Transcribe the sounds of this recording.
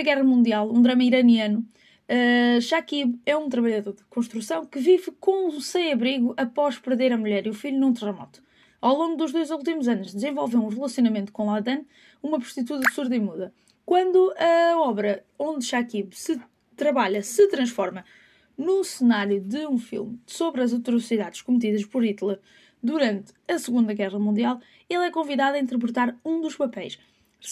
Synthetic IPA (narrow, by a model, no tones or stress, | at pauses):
ɐɣɛʁɐmũnd̪ialˠũd̪ɾɐmɐiɾɐniɐnu | ɛʃakiβɛũt̪ɾɐβɐʎɐðoɾðɨkõʃt̪ɾusɐ̃w̃kɨvivkõsɐ̃j̃ɐβɾiɣuʔɐpɔʃpɨɾðeɾɐmuʎɛɾiufiʎunũt̪ɨʁɨmɔ̰t̪u̥ | awlˠõŋɡud̪uʒðojzulˠt̪imuzɐnuʒd̪ɨzẽvɔlˠvewũʁɨlˠɐsjunɐmẽnt̪u̥kõlˠaðɐ̃n | umɐpɾu̥ʃt̪it̪uðɐβsuɾðɐimuðɐ | kwɐ̃nd̪uɐɔβɾɐ | õnd̪ʃakiβsɨ | t̪ɾɐβaʎɐsɨt̪ɾɐ̃ʃfɔɾmɐ | nusɨnaɾjuðɨũfḭlˠmsoβɾɐzɐt̪uɾusiðaðʃkumt̪iðɐʃpɔɾit̪lˠɛ | d̪uɾɐ̃nt̪ | ɐsɨɣũnd̪ɐɣɛʁɐmũnd̪ialˠ | elˠɛkõviðaðɐĩnt̪ɾp̬ɾɨt̪aɾũd̪uʃpɐpɛjʃ